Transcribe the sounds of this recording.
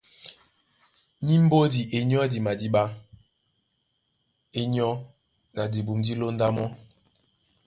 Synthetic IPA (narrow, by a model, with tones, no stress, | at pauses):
mi˦m̩˦bo˦di˨ʔe˨ɲ˦ɔ˦di˨ma˨di˦ɓa˦ | e˦ɲɔ˦ | ɡa˨di˨bu˨mdi˦lo˦n̩˦da˦mɔ˦